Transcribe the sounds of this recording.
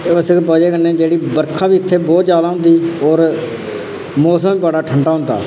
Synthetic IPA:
əskpəːd͡ʒeːkənːẽːd͡ʒeːɽiːbəɾkʰãːbiːɪt̪ʰːeːbɔːt̪zjaːd̪aːɦʊ̃nd̪iːɔːɾ | moːsəmiːpaɽaːʈʰəɳɖaːɦʊ̃nd̪a̰ː

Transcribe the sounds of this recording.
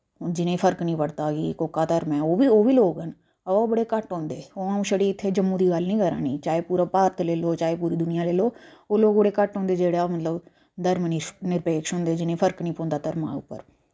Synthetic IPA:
d͡ʒɪnẽːpʰəɾknĩːpəɽt̪aːɡḭːkoːkːaːt̪əɾmɛ̃ːoːʋiːoːʋiːloːɡɦənː | bəɽeːkəʈɦɔ̃ːnd̪eːoːaũːʃəɽiːɪt̪ʰːeːd͡ʒəmːũːd̪iːɡəlnĩːkəɾa̰ːnḭːt͡ʃaːeːpuːɾaːpaːɾət̪leːloːt͡ʃaːeːp̬uːɾiːd̪ʊnɪjãːleːloːoːloːɡbəɽeːkəʈɦɔ̃ːnd̪eːd͡ʒeːɽaːmət̪ləb | d̪əɾmninɪɾpeːkʃɦʊ̃ːnd̪eːd͡ʒɪnẽːpʰəɾknĩːpõːnd̪aːt̪əɾma̰ːʊ̰pːə̰ɾ

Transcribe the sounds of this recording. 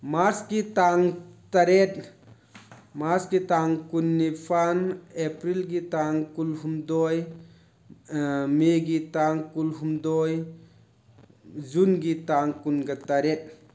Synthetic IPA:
maɾsɡit̪aŋt̪ɐɾet̪̚ | maɾskit̪aŋkunːipʰanepɾilɡit̪aŋkulɦumd̪oj | meɡit̪aŋkulɦumd̪oj | zunɡit̪aŋkunɡɐt̪ɐɾet̪̚

